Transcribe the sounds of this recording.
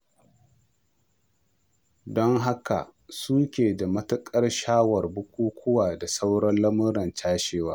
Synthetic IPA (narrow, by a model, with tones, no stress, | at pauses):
dɔ˦ŋɦa˦ka̰˨suː˦kʲeː˨da˨mɐ˦tʊ˦kʼɐ˦rʃaː˦wɐ˨rbʊ˦kʷuː˦kʷʊ˦waː˨da˨sa˦wɽɐ˦nlɐ˦mʊ˦ɾɐ˨nt͡ʃaː˦ʃeː˦waː˦